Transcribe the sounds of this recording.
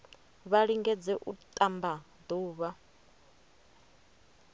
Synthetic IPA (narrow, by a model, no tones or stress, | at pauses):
βaɺiŋɡɛd͡zɛʔut̪ʼamba | d̪uːβa